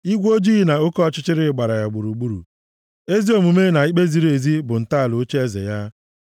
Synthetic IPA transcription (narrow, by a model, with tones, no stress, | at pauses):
i˦ɡʷo˦d͡ʒi˦ɣi˦na˨o˦kɔ˦ɔ˦t͡ʃɪ˦t͡ʃɪ˦ɾɪ˦ɪ˦ɡ͡ba˨ɾa˨ja˨ɡ͡bʊ˨ɾu˨ɡ͡bu˦ɾṵ˨ | e˦zi˦o˨mu˨me˦na˨i˦k͡pe˦zi˦ɾe˨zi˦bʊ˨n̩˨ta˦a˨lo˨˦t͡ʃe˦e˦zḛ˨ja˦